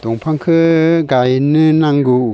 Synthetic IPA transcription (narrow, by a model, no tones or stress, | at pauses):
d̥̪ɔŋpʰaŋkʰɯɡajnɯnaŋɡu